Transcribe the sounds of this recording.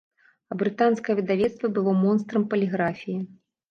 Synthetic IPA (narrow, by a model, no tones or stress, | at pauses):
ɐbɾɨt̪anskɐjɐvʲid̪avʲɛt̪st̪vʲɐbɨlˠɔmɔnst̪ɾɐmpɐlʲiɣɾafʲiji